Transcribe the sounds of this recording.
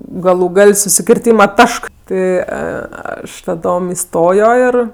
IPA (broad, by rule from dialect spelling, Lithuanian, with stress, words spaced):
ˈɡɑːlˠʊ ˈɡɐlʲ sʊsʲɪkʲɪrʲˈtʲiːmɐ ˈtɐʃk ˈtʲɪ ˈɐʃ tɐˈdoːm ɪˈstoːjoː ɪr